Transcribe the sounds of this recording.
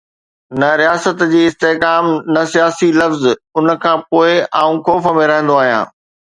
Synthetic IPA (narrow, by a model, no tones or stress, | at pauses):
nɐɾijaːsət̪d͡ʑiːɪst̪eːkaːmnɐsijaːsilɐfzʊnə̆kʰãːpoːɪaːũkoːfəmẽɾɐɦə̃nd̪oaːɦijã̰ː